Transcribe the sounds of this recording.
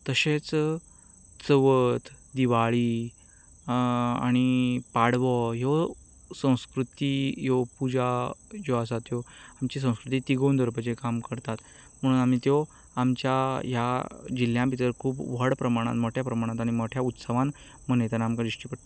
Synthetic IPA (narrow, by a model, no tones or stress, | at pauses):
t̪əɕet͡s | t͡səʋət̪d̪iʋaɭiː | a̰ɽ̃ipaɽʋɔɦo | sə̃w̃skɾut̪iːjopud͡ʑajoasat̪joamt͡ɕis̬ə̃w̃skɾut̪iːt̪iɡond̪ʱəɾpəd͡ʑekamkəɾt̪at̪ | m̤əɽ̃uːnam̤iːt̪jo | amt͡ɕjaɦjad͡ʑil̤jãmpit̪əɾkʰuːpʋəɽpɾəmaɽ̃a̰t̪mɔʈʰjapɾəmaɽ̃ãt̪aɽ̃imɔʈʰjaut̪səʋãn | m̤ənejt̪anamkad̪ɾiʂʈipəʈ̪